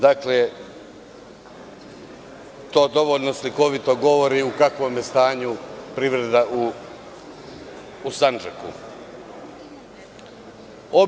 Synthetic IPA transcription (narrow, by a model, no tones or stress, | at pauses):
d̪akle | t̪o̞ːd̪o̞ʋoːlʲno̞sliko̞ʋit̪o̞ɡo̞ʋo̞ɾiukakʋo̞mjest̪aːɲupɾiʋɾe̞d̪aʔu | sand͡ʒekṵ | o